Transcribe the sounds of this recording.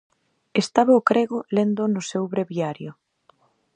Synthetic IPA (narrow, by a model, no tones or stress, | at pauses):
est̪aβaʊkɾeɣʊlend̪ʊnʊsewβɾeβiaɾjʊ